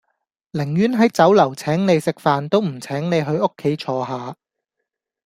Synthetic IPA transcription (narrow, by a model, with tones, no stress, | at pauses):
lɪ˨˩ŋjyː˨˥nɦɐ˨˥jt͡sɐ˨˥wlɐ˨˩wt͡sʰɛː˨˥ŋne˨˧jsɪ˨k̚faː˨nt̪o˥wm̩˨˩t͡sʰɛː˨˥ŋne˨˧jɦɵ˧ɥo˥kʰːe˨˥jt͡ʃʰɔː˧ɦaː˨˧